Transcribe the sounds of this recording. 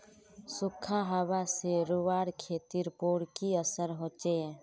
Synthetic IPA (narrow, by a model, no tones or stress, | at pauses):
sʊkʰːaɦəwaseɾʊʋaːɽkʰeːt̪iɾpoːɽkiəsəɾɦoːt͡ʃe